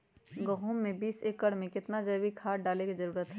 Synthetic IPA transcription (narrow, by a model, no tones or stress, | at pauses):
ɡəɦuːmːẽbiːseːkːəɽmẽkɪt̪nad͡ʒɐːbikʰaːɖaːlẽkizɐɾuːɾət̪ɦɛ